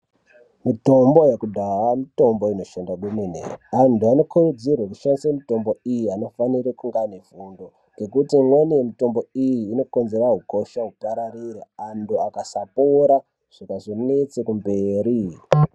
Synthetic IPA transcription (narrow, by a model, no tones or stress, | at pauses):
mito̞mbo̞jekudʱawamito̞mbo̞ino̞ʃandakweminḛantuano̞kʰurud͡zirweku̥ʃandisemito̞mbo̞ijiano̞faniɾikuŋɡanevundo̞ | ŋɡe̞kutimwanijemito̞mbo̞ijiːno̞ko̞nze̞ɾaɦuko̞ʃaɦupaɾariraanduakasapoɾa | ʐ̥akaʐone̞t͡sekumbeːɾi